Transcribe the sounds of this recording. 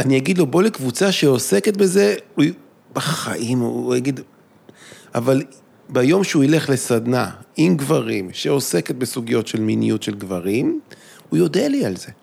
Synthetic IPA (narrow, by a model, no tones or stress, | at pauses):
anijaɡid̪lo̞bo̞lekvut͡saʃeoseket̪̚be̞ze̞u | baχa̰ʔimːjaɡid̪ | ʔa̰val | bajo̞mʃeuile̞χle̞sad̪na̰imɡvaʁimʃeo̞se̞ket̪̚besuɡijo̞tʃe̞lminḭjutʃelɡvaʁim | ujo̞d̪ealialze̞